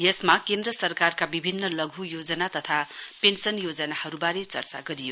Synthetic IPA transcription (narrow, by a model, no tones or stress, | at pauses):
jesmakend̪rʌsʌrkarkabibʱinːʌlʌɡʱujod͡zʌnat̪ʌt̪ʰapensʌnjod͡zʌnahʌɾubaɾet͡sʌ̰rt͡sa̰ɡʌɾijo